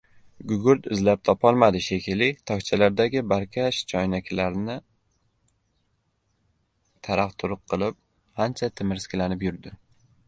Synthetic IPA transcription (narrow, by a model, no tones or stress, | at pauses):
ɡʊɡʊɾt̪ɪzlap̚t̪ʰɒpʰɒlˠmad̪ɪʃekʲʰɪlɪt̪ʰɒkt͡ʃʰalaɾd̪aɡʲɪbaɾkʲʰaʃt͡ʃʰɒjnakʲlaɾnɪ | t̪ʰaɾaqt̪ʰʊɾʊq̚ʰːɨlˠɪp̚ | hant͡ʃʰat̪ʰɪmɪɾskʲlanɪpjʊɾd̪ɪ